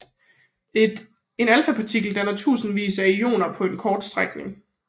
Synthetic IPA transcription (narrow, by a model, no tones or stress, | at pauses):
e̝nælfæpʰɑ̈t͡sʰiɡ̥l̩d̥ænɐt͡sʰṵːsn̩ʋḭːsæijo̝̰ːnɐpʰɒ̽e̝nkʰɒːd̥sd̥ʁaɡ̥nḛŋ